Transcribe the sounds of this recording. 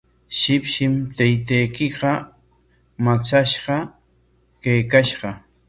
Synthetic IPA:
ʃɪpʃɪmt̪ajt̪ajkɪɢɑ | mat͡saʃɢɑ | kajkaʃɢɑ

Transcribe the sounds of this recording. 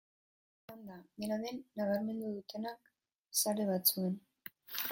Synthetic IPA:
and̪ad̪enaðenːaɣaɾme̞nd̪uðut̪e̞nak | saɾe̞βat͡sue̞n

